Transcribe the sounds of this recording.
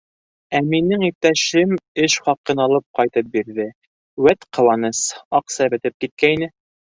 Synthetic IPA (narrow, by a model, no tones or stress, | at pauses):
æminɘŋit̪ːæʃɘmɘʃχɑqɤnɑlˠɤp̚qɑjt̪ɤp̚biɾðɘ | wæt̪qʰɤ̆wɑnɤsɑqsɑbɘ̆t̪ɘp̚kit̪̚kæinɘ